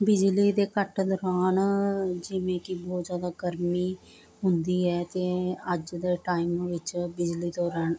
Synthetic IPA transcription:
bɪd͡ʒliːd̪eːkəʈd̪ɔːɾaːnd͡ʒɪʋẽːkɪbɔːt̪zjaːd̪aːɡəɾmiː | ɦʊnd̪iːɛːt̪eːəd͡ʒd̪eːʈaːimʋɪt͡ʃbɪd͡ʒliːd̪ɔːɾaːn

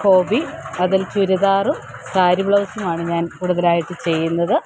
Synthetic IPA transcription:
ko̞ːbiɐðilt͡ɕuɾuðaːrumsaːɾibɭɐʋsumaːɳɨɲaːnkuːɽuðɐlaːjiʈːɨt͡ɕe̞jːunːɐðɨ

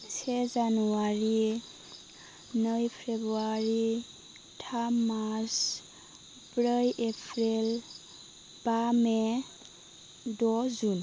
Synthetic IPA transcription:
sɛzanuaɹi | nəjpʰebuaɹi | tʰamas | pɹəjepʰɹil | b̥amɛ | dɔzun

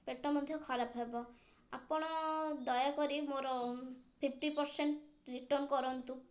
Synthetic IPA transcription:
peʈɔmɔd̪ʱjɔkʰɔɾapɔɦebɔ | apɔɽ̃ɔd̪ɔjakɔɾimoɾɔpʰip̚ʰʈipɔɾseɳʈɾiʈɔɾnkɔɾɔnt̪u

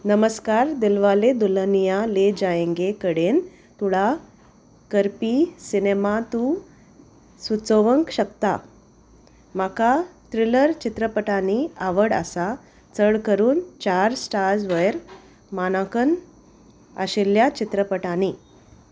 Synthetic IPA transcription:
nəməskaɾd̪ilʋaled̪ulənijaled͡ʑajẽŋɡekəɽen | t̪uɭa | kəɾpisinemat̪u | sut͡soʋəŋkɕəkt̪a̰ | makat̪ɾiləɾt͡ɕit̪ɾəpəʈaniaʋəɽə̰sa | t͡səɭkəɾuːnt͡ɕaɾsʈaɾd͡zʋəjɾ | manakən | a̰ɕiljat͡ɕit̪ɾəpəʈani

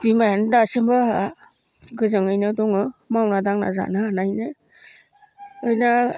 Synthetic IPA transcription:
dimajandasɯmba | ɡɯzɯŋɯjnɯdɔŋɯmawnadaŋna̰za̰nanajnɯ | ɯjna

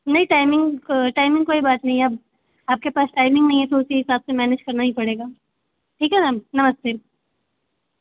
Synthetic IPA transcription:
nɐɦĩʈaːɪmɪ̃ŋɡʈaːɪmɪ̃ŋɡkoːibaːt̪nɐɦĩɐb̚ | aːp̚kepaːsʈaːɪmɪ̃ŋɡnɐɦĩɦɛt̪oʊsiɦɪsaːbsemɛːneːd͡ʒkɐɾnaɦĩpɐɽeːɡaː | ʈʰiːkɦɛnaːmnɐməst̪eː

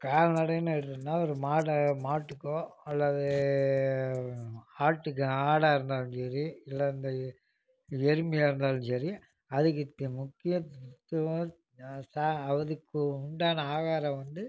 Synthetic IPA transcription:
kaːlɐnɐɽɐnaɛɽɯt̪ːnːaːɔɾɯmaːɽɐmaːʈːɯkːoːɐlːɐðɯ | aːʈːɯkːɯaːɽaːɪɾɯnd̪aːlɯnsɐɾiɪlːɐɪnd̪ɐ | jɛɾɯmɐjaːɪɾɯnd̪aːlɯnsɐɾi | ɐðɯkːɯt̪ːmʊkːɪjɐt̪t̪ːɐʋɐ̃ | saɐʋɐðɯkːɯʊɳɖaːnɐaːɣaːɾɐ̃ʋɐnd̪ɯ

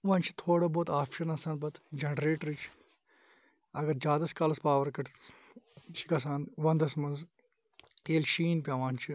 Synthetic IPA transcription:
ʋãːnt͡ʃʰi̥t̪ʰoːɽɐboːt̪aːpʃɐnɐsaːnbɐt̪ʰd͡ʒɐnɖɾeːʈɾit͡ʃʰi̥ | ɐɡɐɾd͡ʒjaːd̪ɐskaːlɐspaːʋɐɾkɐʈʰ | t͡ʃʰikɐs̬aːnʋɐ̃nd̪ɐsmɐnz | t̪eːlʃiːnpʲjaːʋaːnʲt͡ʃʰi

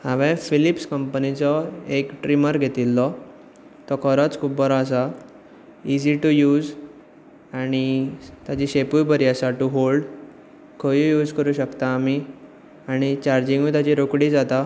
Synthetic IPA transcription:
hãʋɛ̃filipskəmpənit͡sɔekʈɾiməɾɡʱet̪ilːɔ | t̪ɔkʰəɾət͡skʰuːp̚bəɾaːs̬a | id͡ʑiʈujuːd͡z | aɽ̃it̪jat͡ɕiɕepujbəɾiasaʈuɦolɖ | kʰəʋijuːd͡zkəɾuːɕəkt̪aːmi | aɽ̃it͡ɕaɾd͡ʑĩŋɡit̪jat͡ɕiɾokɽiːd͡zat̪a

